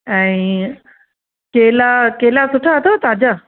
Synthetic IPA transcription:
ɛ̃ːĩ | kelakeːlasʊʈʰaət̪ʰot̪aːd͡ʑa

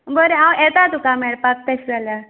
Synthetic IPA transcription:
bʱəɾeɦãwɛt̪at̪ukamɛɭpak̚t̪esd͡zala

